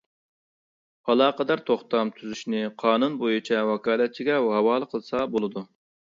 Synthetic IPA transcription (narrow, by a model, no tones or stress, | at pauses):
ɑlˠɑːqəd̪ɑɾt̪ʰoχt̪ɑmt̪ʰyzyʃnɪqʰɑːnunbojit͡ʃʰɛwɑkɑːlˠɛt̪̚t͡ʃʰiɡʲɛɦɑwɑːlˠəqʰəlˠɨsɑbolˠɨd̪u